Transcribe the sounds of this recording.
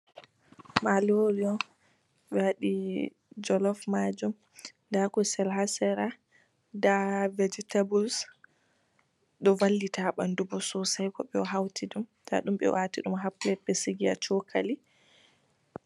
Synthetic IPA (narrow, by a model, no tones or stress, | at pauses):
maloɾiɔ | ɓɛwaɗi | d͡ʒɔlɔfmad͡ʒum | ndakɔsɛlɦasɛɾa | davɛd͡ʒɛtabuls | ɗɔvalːitaɓandubɔsɔsajkɔɓɛɔɦawtʰiɗumtʰa̰ɗumɓɛ̰watiɗumɦaplɛpːɛsiɡia̰t͡ʃɔkʰali